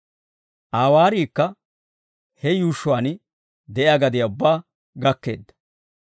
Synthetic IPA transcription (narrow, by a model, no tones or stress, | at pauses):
ʔaːwaːɾiːkːɐ | hɛjuːʃːʊwaːn | d̪ɛʔjaɡɐd̪ɪjaʊbːaː | ɡɐkːe̞̰ːd̪ːɐ̥